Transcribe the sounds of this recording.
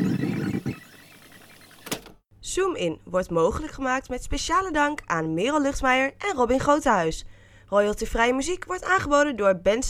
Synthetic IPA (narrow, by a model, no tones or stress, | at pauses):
sumɪnʋɔɹtmowχələkχəmaːk̚tmɛtspejʃaːlədɑŋkaːnmɪːrəlˠlɵχtmɛjəɹʔɛnrɔbɪnχrowtəɦœɥs | rɔjəlˠtəfrɛjəmyzikʋɔɹtaːnχəbowdəndʊːɹbɛns